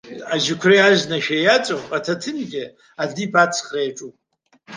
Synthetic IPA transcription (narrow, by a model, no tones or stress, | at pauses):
aʒɪkʷʰreaʒnaʃᶣajat͡sʼoatʰatʰɨnɡʲɪ | adipʰat͡sʰχrejaʈ͡ʂʼu